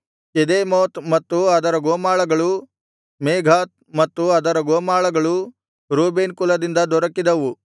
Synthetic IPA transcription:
ked̪eːmoːt̪mɐt̪ːuɐd̪ɐɾɐɡoːmaːɭɐɡɐɭu | meːɡʱaːt̪̚mɐt̪ːuɐd̪ɐɾɐɡoːmaːɭɐɡɐɭu | ɾuːbeːnkulɐd̪ind̪ɐd̪ɔɾɐkːid̪ɐʋu

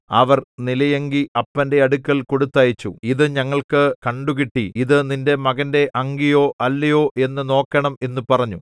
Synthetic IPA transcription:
ɐʋɐrnilɐjɐŋɡiɐpːɐnde̞ɐɽukːɐlko̞ɽut̪ːɐːjit͡ɕːṵiðɨɲɐŋːɐɭkɨkɐɳɖuɣiʈːiiðɨninde̞mɐɣɐnde̞ʔɐŋɡijo̞ːʔɐlːɐjoːʔe̞nːɨno̞ːkːɐɳɐme̞nːupɐrɐɲːu

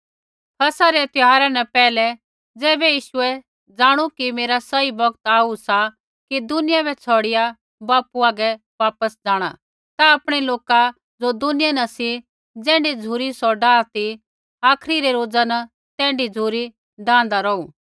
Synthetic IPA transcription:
kʰɐsaɾɛt̪ɪɦaːɾanɛpɛːlɛ | d͡zɛːbɛjiːʃʊɛ | d͡zãːɽ̃ukimeːɾasɐibɐɡt̪aːusa | kid̪ʊnɪjabɛt͡sʰɔɽɪja | baːpuaːɡɛ | ʋaːpəsd͡zaːɽ̃a̰ | t̪aɐpɽ̃ɛloːka | d͡zod̪ʊnɪjanɐsi | d͡zɛ̃ːɳɖid͡zʱuːɾisɔɖãːt̪i | aːkʰɾiɾɛɾoːd͡zana | t̪ɛ̃ːɳɖid͡zʱuːɾi | ɖãːnd̪aɾɔuː

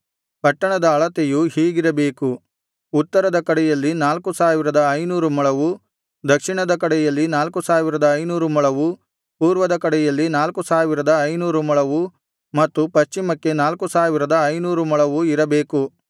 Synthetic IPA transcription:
pɐʈːɐɳɐd̪ɐːɭɐt̪ejuhiːɡiɾɐbe̞ːkuː | t̪ːɐɾɐd̪ɐkɐɽɛjɐlːinaːlkusaːʋiɾɐd̪ɐɐjnuːɾumɐɭɐʋu | d̪ɐkʂiɳɐd̪ɐkɐɽɛjɐlːinaːlkusaːʋiɾɐd̪ɐːjnuːɾumɐɭɐʋu | puːɾʋɐd̪ɐkɐɽɛjɐlːinaːlkusaːʋiɾɐd̪ɐjnuːɾumɐɭɐʋu | mɐt̪ːupɐst͡ʃimɐkːe̞naːlkusaːʋiɾɐd̪ɐːjnuːɾumɐɭɐʋuiɾɐbeːku

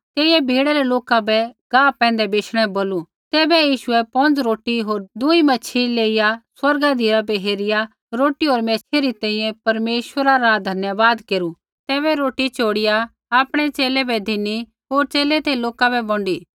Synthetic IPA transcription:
t̪eːijɛ̃bʱiːɽɛɾɛloːkabɛɡ̥ãːpɛ̃ːnd̪ɛbeːʃʰɽ̃ɛ̃boːlu | t̪ɛːbɛjiːʃʊɛpɔ̃nd͡zɾoːʈiɦoːɾd̪uimɐt͡ʃʰileːɪjaswɐɾɡad̪ʱiɾabɛɦeːɾɪja | ɾoːʈiɦoːɾmɛːt͡ʃʰeɾit̪ɛ̃ːĩjɛ̃pɐɾmeːʃʋəɾaɾad̪ʱɐnjəʋaːd̪keːɾu | t̪ɛːβɛɾoːʈit͡ʃoːɽɪja | aːpɽ̃ɛt͡ʃeːlɛbɛd̪ʱɪnːi | ɦoːɾt͡ʃeːlɛt̪eloːkabɛbɔ̃ɳɖiː

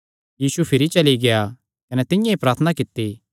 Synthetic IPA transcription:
jiːsupʰɪɾit͡ʃɐliɡeja | kɐnɛt̪ɪ̃jãipɾaːɾt̪ʰənakɪt̪ːiː

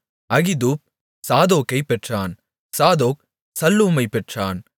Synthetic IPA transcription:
ɐɣɪd̪uːp̚ | saːðoːkɐɪpɛʈraːn | saːðoːk̚ | sɐlːuːmɐɪpɛʈraːn

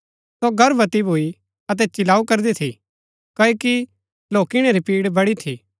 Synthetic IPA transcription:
soɡʱɐɾʋɐt̪ibʱui | ɐt̪̬ɛt͡ʃɪlaːukɐɾd̪et̪ʰi | kɐːoki | loːkɪɽ̃eɾipiːɽbɐɽit̪ʰiː

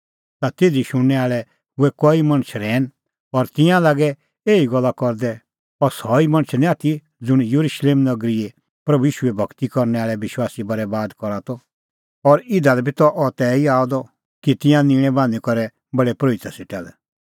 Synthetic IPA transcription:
t̪at̪eːd̪iʃʊɽ̃ːɛaːɭɛ | ʊɛkɔimɐ̃ñt͡ʃʰɾɛːn | ɔɾt̪ɪ̃jãlaːɡɛ | eːiɡɔlːakɔɾd̪ɛ | ɔɾsɔimɐ̃ñt͡ʃʰnĩaːt̪ʰi | d͡zʊɽ̃jɐɾuʃleːmnɐɡɾie | pɾɐbujiːʃuɛbʱɐkt̪ikɔɾnɛaːɭɛʋɪʃwaːsibɐɾɛbaːd̪kɔɾat̪ɔ | ɔɾɪd̪alɛbʱit̪ɔʔɔt̪ɛːiaːɔd̪ɔ | kit̪ɪ̃jãnĩːɽ̃ɛ̃bãːnd̪ikɔɾɛ | bɐɽɛpɾoːit̪aseʈalɛ

